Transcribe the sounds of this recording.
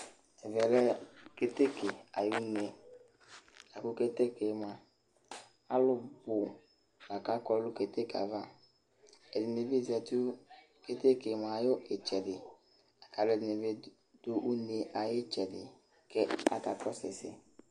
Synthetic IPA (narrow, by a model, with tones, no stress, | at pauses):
ɛ˨vɛ˨lɛ˦ke˦te˦kʰe˨a̰˨jʊ˦ne˨ | a˨kʊ˦ke˦te˦ke˨ma˨ | a˦lʊ˦bʊ˨ | ɡa˨ka˦kɔ˦lʊ˦ke˨te˦ka̰˨va˦ | ɛ˨dɪ˨ne˨ve˦˨zɛ˨tu˦ | ke˦te˦ke˨ma˨jʊ˦ʔe˨t͡ʃɛ˨dɪ˨ | a˨ka˨lʊ˦ɛ˨dɪ˨ne˨ve˦ | dʊ˦ʔu˦ne˨ʔa˨jɪ˦t͡ʃɛ˨dɪ̰˨ | kɛ˦a̰˨ka˨kɔ˦sɪ̰˨sɪ̰˦